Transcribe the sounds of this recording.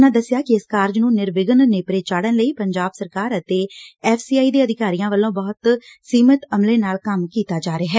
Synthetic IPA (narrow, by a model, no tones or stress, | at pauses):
nãːd̪əsːɪjaːkɪɪskaːɾd͡ʒnũːnɪɾʋɪɡənneːpɾeːt͡ʃaːɽənləiːpəɲd͡ʒaːbsəɾkaːɾət̪eːɛːfʰsiːaːiːd̪eːəd̪ʱɪkaːɾijãːʋəlːõːbɔːt̪siːmət̪əmleːnaːlkəmkiːt̪aːd͡ʒaːɾeaːɦɛː